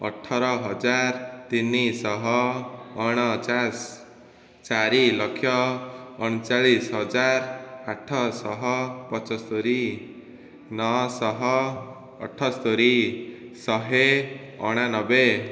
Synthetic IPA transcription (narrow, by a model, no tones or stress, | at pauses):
ɔ̰ʈʰːɔɾɔɦɔd͡ʒaɾt̪inisɔɦɔː | ɽ̃ɔt͡ʃas | t͡ʃaɾilɔkʰːjɔː | ɽ̃ɔt͡ʃaɭisɦɔd͡ʒaɾaʈʰːɔsɔɦɔpɔt͡ʃɔst̪oɾi | nɔsɔɦɔ̰ː | ʈʰːɔst̪oɾisɔɦe | ɔ̰ɽ̃anɔbe